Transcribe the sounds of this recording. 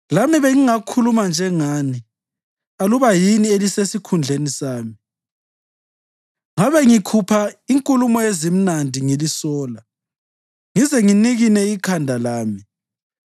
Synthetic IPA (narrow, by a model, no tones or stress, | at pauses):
lamiβeŋiŋakʰulumand͡ʒʱɛŋani | aluβajinielisesikʰund͡ɮʱenisaːmi | ŋaβɛŋikʰupʰaiŋkʼulumɔezim̩nandʱiŋilisɔːla | ŋizɛŋiniɣinɛikʰandʱalaːmi